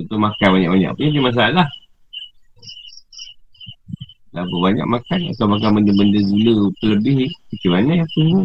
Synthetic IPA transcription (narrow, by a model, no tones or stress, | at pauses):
tut̪umakanbaɲaʔbaɲa̰ʔpəɲadimas̬aalah | lapəbaɲa̰k̚makana̰t̪awmak̬anbəndəbəndəduləpələbɪhkət̪ibanaʔapəu